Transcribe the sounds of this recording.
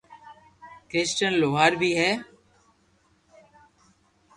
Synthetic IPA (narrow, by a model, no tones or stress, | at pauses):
kɾɪːsʈənloːɦaːɾbʱiːɦɛː